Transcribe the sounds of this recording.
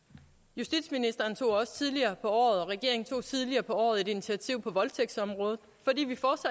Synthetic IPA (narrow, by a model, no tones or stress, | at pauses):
jusd̥ḭd̥sminisd̥ɐːnt͡sʰo̝̰ːɒ̽sə̥t͡sʰið̞ˠliɐːpʰɒ̽ɒ̰ːð̞̩ˠɒ̽ʁɛɡ̥e̝ɐeŋt͡sʰo̝̰ːt͡sʰiðˠliɐːpʰɒ̽ɒ̰ːð̩ˠe̝d̥init͡sʰiæt͡sʰiʊ̰pʰɒ̽ʋɒ̽lt͡sʰeɡ̥sɒ̽mʁɔ̽ːð̞̩ˠ | fɒ̽d̥ḭːʋifɒːd̥sæ